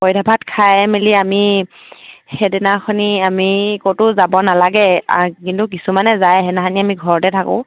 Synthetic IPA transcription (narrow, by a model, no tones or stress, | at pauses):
pojdʱabʱatkʰajmeliami | xedɛnaxʰɔniamikotʊzabɔnalaɡɛkintuk̬isumanɛzajɦɛnaxaniamiɡʱɔɹɔtɛtʰakʊ̰̃